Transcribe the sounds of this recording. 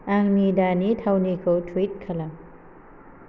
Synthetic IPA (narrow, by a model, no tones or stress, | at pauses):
aŋnidanitʰawnikʰotʰwit̚kʰɐla